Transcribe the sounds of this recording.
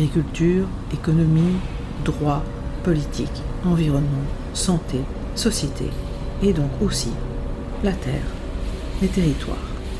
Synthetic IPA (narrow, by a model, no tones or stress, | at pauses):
aɡʁikʲylt̪yːʁ | ekɔnɔmi | d̪ʁwa | pɔlit̪ʰikɑ̃viʁɔnmɑ̃ | sɑ̃t̪e | sɔsjet̪ʰḛ | ed̪ɔ̃kosi | lat̪ɛ̰ːʁ | d̪et̪eʁit̪wa̰ːʁ